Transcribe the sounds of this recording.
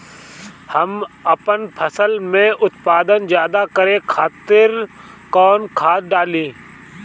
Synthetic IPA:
hɐmɐpənpʰəsəlmẽʔʊt̪̚paːd̪ənzjaːd̪akəɾekʰaːt̪ɪɾkɔːnkʰaːt̪ɖaːlĩː

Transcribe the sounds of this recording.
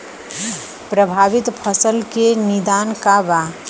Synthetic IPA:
pɾəbʱabit̪pʰəsəlkenid̪ankaba

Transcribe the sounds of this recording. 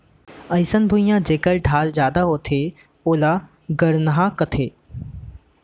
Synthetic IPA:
ɐ̃ɪsənbʱʊijãd͡ʑeːkəlɖʱaːld͡ʑjaːd̪aɦoːt̪ʰeː | oːla | ɡɐɽnɦãkɐt̪ʰeː

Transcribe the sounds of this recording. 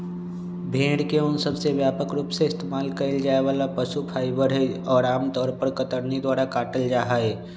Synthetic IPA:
bʱẽːɽkeʊnsəbseʋjaːpəkɾuːpseɪst̪eːmaːlkɐɪld͡ʒaːeʋaːlapəʃupʰaːibəɽɦeɔːɾaːmt̪ɔːɾpəɾkət̪əɾnid̪waːɾakaːʈəld͡ʒaːɦaːeː

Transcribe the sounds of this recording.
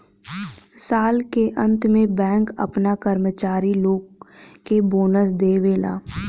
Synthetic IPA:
saːlkeʔə̃nt̪mẽbɛ̃ːŋkɐ̰pnakəɾmət͡ʃaːɾiloːɡkeboːnəsd̪eːʋeːla̰ː

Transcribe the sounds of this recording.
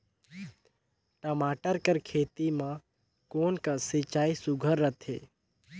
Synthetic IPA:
ʈəmaːʈəɾkəɾkʰeːt̪imã | koːnkasɪt͡ʃaːisʊɡʱəɾːət̪ʰḛː

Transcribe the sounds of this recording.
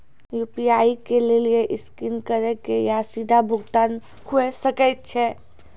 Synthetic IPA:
juːpiaːikelelieʔɪskinkəɾekejasid̪ʱabʱʊɡt̪aːn | huesəkɛt̪̚t͡ʃʰɛ

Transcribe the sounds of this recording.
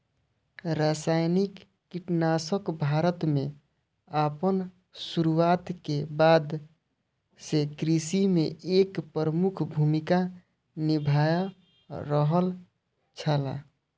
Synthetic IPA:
ɾasajnikː | iʈnasəkbʱaɾət̪me | apən | suɾuat̪kebad̪ | sekɾisimeekpəɾəmukʰbʱumika | nibʱaja | ɾəɦəl | t͡ʃʰəla̰

